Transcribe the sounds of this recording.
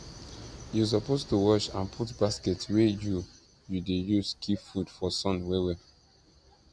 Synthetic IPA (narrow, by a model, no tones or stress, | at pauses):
jus̬ɔpostuwɔʃã̰npʰutbaskɛtweju | judejuzkʰifudfɔsɔ̃nwɛwɛ